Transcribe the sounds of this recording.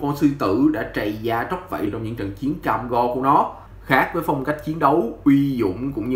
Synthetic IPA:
kɔ˧nsɨ˧t̪ɨ̰˧˩ɗa̰ː˧˥t͡ɕa˨˩jzaː˧t͡ɕə˦˥k͡p̚və̰˧˨t͡ɕɔ˧wŋ͡mɲɨ̰˧˥ŋt͡ɕə˨˩nt͡ɕi˨˦ənkaː˧mɣɔ˧ku˧˩ənɔ˨˦ | xaː˦˥k̚vəː˨˦jfɔ˧wŋ͡mka˦˥jk̟̚t͡ɕi˨˦ənɗə˨˦wʔwi˧zʊ̰˧˨ŋ͡mkʊ̰˧˥ŋ͡mɲ˧

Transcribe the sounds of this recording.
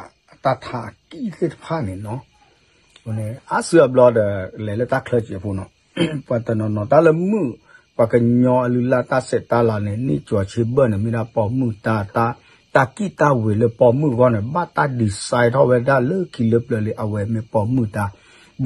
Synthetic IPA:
ta˧t̪ʰa˧˨a˨ki˦tə˦tə˨pʰa˦˨nɛ̃˨nɔ̃˨˦ | o˨nɛ̃˨a˨˦sɨ˧˦a˨blɔ˧də˨lɛ˨lə˦ta˦kʰlə˧t͡ʃi˨a˨pʰo˨nɔ̃˨ | fa˨t̪ə˨nɔ̃˨nɔ̃˨ta˦lə˧mɨ˦˨ | kʷa˨kə˧ɲɔ̃˧a˨lɨ˧la˧t̪a˦sɛ˨ta˧˦la˨nɛ̃˨nḭ̃˦˨t͡ʃo˨a˨t͡ʃʰe˧bə˦˨nɛ˨mẽ˧da˧pɔ˧mɨ̃˦˨ta˦ta˦ | t̪a˧ki˦ta˧we˨lə˧pɔ˧mɨ̃˦˨ɣɔ˦˨nɛ̃˨ba˦ta˧di˨sa˧jtɔ˦wɛ˧da˦˨lə˦ki˨lə˧plə˨le˨ʔa˨wɛ˨mẽ˧pɔ˧mɨ̃˦˨ta˧

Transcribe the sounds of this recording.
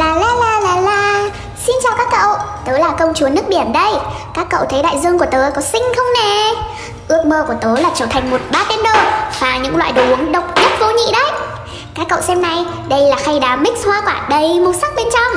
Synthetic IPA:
laː˨˩laː˨˩laː˨˩laː˨˩laː˨˩ | si˧nt͡ɕa̰˧˩wkaː˦˥kːə̰˧˨wt̪əː˨˦laː˨˩kə˧wŋ͡mt͡ɕu˨˦ənɨ˦˥ək̚ɓi˧˩əmɗə˧j | kaː˦˥kːə̰˧˨wt̪ʰə˨˦jɗa̰ː˧˨jzɨ˧əŋku˧˩ə˩t̪əː˨˦kɔ˨˦sï˧ŋ̟xə˧wŋ͡mne˨˩ | ʔɨ˦˥ək̚məː˧ku˧˩ət̪o˨˦laː˨˩t͡ɕɔː˧˩t̪ʰa˨˩ŋ̟mo˨˩t̚ɓaː˨˧t̪i˧ənɗo˧˩vaː˨˩ɲɨ̰˧˥ŋla̰ː˧˨jɗu˨˦ə˦ŋɗə˨˩wk͡p̚ɲ˦˥t̚vo˨˦ɲḭ˧˨ɗə˨˦j | kaː˦˥kːə̰˧˨wsɛ˧mna˨˩j | ɗə˧jlaː˨˩xa˧jɗaː˨˦mï˦˥k̟̚hwaː˧kwaː˧˩ɗə˧˩jmu˨˧˩sa˦˥k̚ɓe˧nt͡ɕɔ˧wŋ͡m

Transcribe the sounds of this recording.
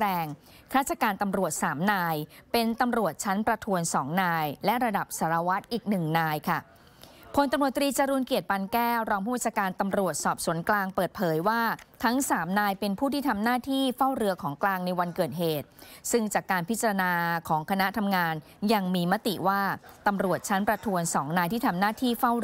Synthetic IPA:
ɾɛː˧ŋ | kʰɾaː˥˩t̪̚t͡ɕa˨˩kaː˧nt̪a˧mɾu˨˩ət̪̚saː˩˦mnaː˧jpe˧nt̪a˧mɾu˨˩ət̪̚t͡ɕʰa˦˥npɾa˧t̪ʰu˧ənsɔː˩˦ŋnaː˧jlɛ˦˥ʔɾa˧da˨˩p̚saː˩˦ɾa˧wa˦˥t̪̚ʔiː˨˩k̚nɯ˨˩ŋnaː˧jkʰa˥˩ | pʰo˧nt̪a˧mɾu˨˩ət̪ːɾiː˧t͡ɕa˧ɾuː˧nki˨˩ət̪̚pa˧nkɛː˥˩wɾɔː˧ŋpʰuː˥˩aː˥˩t͡ɕʰa˧kaː˧nt̪a˧mɾu˨˩ət̪̚sɔː˨˩p̚su˨˩˦nklaː˧ŋpɤː˨˩t̪̚pʰɤː˩˦jwaː˥˩t̪ʰa˦˥ŋsaː˩˦mnaː˧jpe˧npʰuː˥˩t̪ʰiː˥˩t̪ʰa˧mnaː˥˩t̪ʰiː˥˩fa˥˩wɾɯ˧əkʰɔː˩˦ŋklaː˧ŋna˧jwa˧nkɤː˨˩t̪̚ɦeː˨˩t̪̚sɯ˥˩ŋt͡ɕaː˨˩kːaː˧npʰi˦˥t̪̚t͡ɕːa˧ɾa˧naː˧kʰɔː˩˦ŋkʰa˧na˦˥t̪ʰa˧mŋaː˧n | ja˧ŋmiː˧ma˦˥t̪ḭ˨˩ʔwaː˥˩t̪a˧mɾu˨˩ət̪̚t͡ɕʰa˦˥npɾa˧t̪ʰu˧ənsɔː˩˦ŋnaː˧jt̪ʰiː˥˩t̪ʰa˧mnaː˥˩t̪ʰiː˥˩fa˥˩w

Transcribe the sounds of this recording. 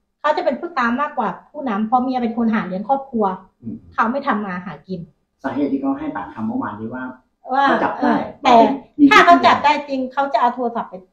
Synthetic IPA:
kʰa˦˥wt͡ɕa˨˩pe˧npʰɯ˥˩t̪aː˧mːaː˥˩kːwaː˨˩pʰuː˥˩na˦˥mpʰɔ˧mi˧a˧pe˧nkʰo˧nɦaː˩˦lɯ˧˦ənkʰɔː˥˩p̚kʰu˧ɐ | kʰa˦˥wma˥˩jt̪ʰa˧mːaː˧ɦaː˩˦ki˧n | saː˨˩˦heː˨˩t̪̚ːʰiː˧˩kʰɔ˧˥˩ha˥˩t̪aː˨˩ŋkʰa˨˦mɔ˥˩wa̰ː˧˦ndiː˨˦waː˥˩ŋ | ʔɤː˧˩˥t͡ɕa˨˩p̚ʔaː˧˥˩j̪ɛː˧˩˨t̪ʰaː˥˩kʰa˦˥wt͡ɕa˨˩p̚daː˥˩jt͡ɕi˧ŋkʰa˦˥wt͡ɕa˨˩ʔa˧wt̪ʰu˧sɔ˨˩p̚ːe˧

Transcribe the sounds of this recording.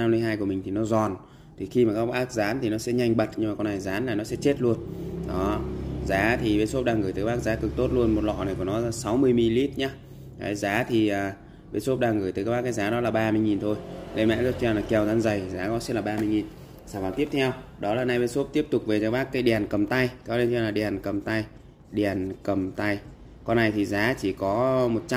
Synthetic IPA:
a˧mːlɨ˧əjɦaː˧jku˧˩əi˨˩ŋ̟t̪ʰi˨˩nɔ˨˦zɔ˨˩n | t̪ʰi˨˩xi˧maː˨˩kaː˦˥k̚ɓaː˦˥k̚zaː˨˦nt̪ʰi˨˩nɔ˨˦sɛ̰˧˥ɲa˧jŋ̟ɓə˨˩t̚ɲɨ˧maː˨˩kna˨˩jzaː˨˦nlaː˨˩nɔ˨˦sɛ̰˧˥t͡ɕe˦˥t̚lu˧ənɔ˨˦zaː˨˦t̪ʰi˨˩ɓe˧so˦˥p̚ɗaː˧ŋɣɨː˧˩t̪əː˨˦ɓaː˦˥k̚zaː˨˦kɨ˨˩k̚t̪o˦˥t̚lu˧ənmo˨˩t̚lɔ̰˧˨na˨˩ku˧˩nɔ˨˦˧sa˨˦wmɨ˧əjmi˧li˦˥t̚ɲaː˨˦ | a̰˨˦zaː˨˦t̪ʰi˨˩əː˨˩ | ɓe˧so˦˥p̚ɗaː˧ŋɣɨː˧˩j̪əː˨˦kːaː˦jɓaː˦˥kːaː˨˦jzaː˨˦ɗɔ˨˦laː˨˩ɓaː˧mɨ˧jŋi˨˩nt̪ʰo˧jle˧nmɛ̰˧˥l̚t͡ɕɛ˧wlaː˨˩kɛ˧˩wzaː˨˧nzə˨˩jzaː˨˦kɔ˨˦sɛ˦˥t̚laː˨˩ɓaː˧mɨ˧əjŋi˨˩n | saː˧˩vaː˨˩t̪i˦˥əp̚t̪ʰɛ˧wɗɔ˨˦laː˨˩na˧jɓe˧so˦˥p̚t̪i˦˥əp̚t̪ʊ˨˩k͡p̚ve˨˩aː˨˦jɓaː˦˥kːaː˨˦jɗɛ˨˩nkə˨˩mt̪a˧jkʰɔ˨˦le˧nt͡ɕɛ˧laː˨˩ɗɛ˨˩nkə˨˩mt̪a˧j | ɗɛ˨˩˨nkə˨˩mt̪a˧j | kɔ˧nːa˨˩jt̪ʰi˨˩zaː˨˦t͡ɕi˧˩kɔ˨˦mo˨˩t̚t͡ɕ

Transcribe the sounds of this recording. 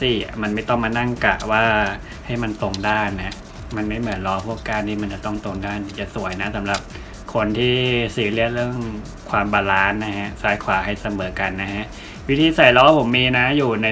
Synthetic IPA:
siː˨˩a̰˨˩ma˧nma˥˩jt̪ɔ˥˩ŋmaː˧na˥˩ŋka̰˨˩waː˥˩ | ha˥˩jma˧nt̪o˧ŋdaː˥˩nːa˦˥ʔ | ma˧nma˥˩jmɯ˩˦ənlɔː˧˦˥pʰu˥˩əkːaː˥˩nt̪ːʰiː˥˩ma˧nt͡ɕa˨˩t̪ɔ˥˩ŋt̪o˧ŋdaː˥˩ni˨˩t͡ɕa˨˩su˨˩˦əjna˦˥sa˩˦mɾa˨˩p̚ | kʰo˧nt̪ʰiː˥˩siː˨˩˦li˥˩ət̪̚ɾɯ˥˩əŋ | kʰwaː˧mbaː˧laː˦˥nːa˦˥kʰa˦˥saː˨˦˥jkʰwaː˨˩˦ha˥˩jsa˧mɤː˩˦ka˧nːa˦˥kʰa˦˥ʔ | wi˦˥t̪ʰiː˧sa˨˩jlɔː˦˥pʰo˩˦mːiː˧na˦˥juː˨˩na˧

